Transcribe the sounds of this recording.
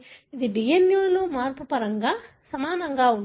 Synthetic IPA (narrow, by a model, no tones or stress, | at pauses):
id̪iɖijenjuːluːmaːɾpupɐɾɐŋɡaː | sɐmaːnɐŋɡaːun